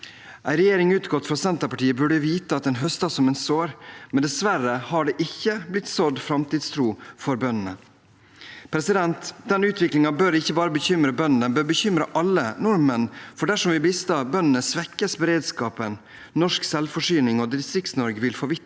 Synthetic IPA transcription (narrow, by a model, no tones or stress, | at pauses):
ʔæɪɾɛjeːɾɪŋʉːt̪ɡɔt̪fɾɑsɛnt̪əpɑʈiːəbʉɖəʋiːt̪əɑt̪̚d̪ɛnɦœst̪ɑsɔmɛnsoːɾmɛnd̪ɛsʋæɾəhɑɖɛʔɪçːəblɪt̪ːsɔd̪fɾɑmt̪iːd̪st̪ʰɾuːfɔɾbœnənə | pʰɾɛsɪd̪ɛnt̪d̪ɛnʉːt̪ʰʋɪklɪŋɑbøɾɪçːəbɑːɾəbəçʏmɾəbœnənd̪ɛnbøːɾbəçʏmɾəʔɑlːənɔɾmənfɔɖæʂɔmʋɪbɪst̪ɑbœnənəsʋɛkːəsbəɾeːd̪skɑːpən | nɔʂksɛlfɔʂyːnɪŋɔd̪ɪst̪ɾɪk̚t̪snɔɾɡəʋɪlfɔʋɪ